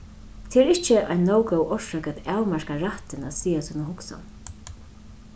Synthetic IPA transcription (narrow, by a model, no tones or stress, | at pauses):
t̪ʰɪɛɾɪht͡ʃɪʔa̰jnːoːwkowʔɔʃakat̪awmaɹkaɾaht̪ɪnat̪siːasiːnʊhʊksa̰n